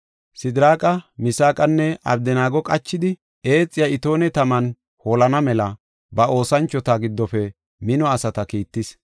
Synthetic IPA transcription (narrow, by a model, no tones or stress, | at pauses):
sɪd̪ɾaːkʼɐmɪsaːkʼɐnːɛɐ̰bd̪ɛnaːɡɔkʼɐt͡ʃːɪd̪ɪ | e̞ːt͡sʼːɪjɐɪt̪o̞ːnɛt̪ɐmɐn | holɐnɐmɛlɐ | bɐʔo̞ːsɐnt͡ʃːɔt̪aɡɪd̪ːɔfɛ | mɪnɔɐsɐt̪ɐkiːt̪ːɪs